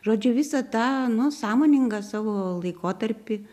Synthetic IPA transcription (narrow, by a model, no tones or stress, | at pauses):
ʒoːd͡ʒʲʊʋʲɪsɐt̪ɑːnʊsɑːmoːnʲɪŋɡɐsɑːʋoːlˠɐɪkoːt̪ɐɾʲpʲɪ